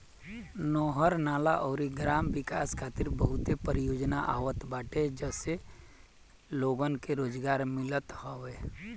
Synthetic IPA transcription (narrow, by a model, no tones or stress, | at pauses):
nɔːɦəɾnaːlaʔɔːɾiɡɾaːmʋɪkaːskʰaːt̪ɪɾbəɦʊt̪epəɾɪjoːd͡ʒnaʔa̰ːʋət̪baːʈed͡ʒɛse | loːɡənkeɾoːd͡ʒɡaːɾmɪlət̪hɔʋeː